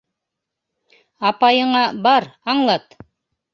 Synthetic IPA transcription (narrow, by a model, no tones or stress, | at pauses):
ɑpɑjɤ̆ɴɑbɑɾɑɴlˠɑt̪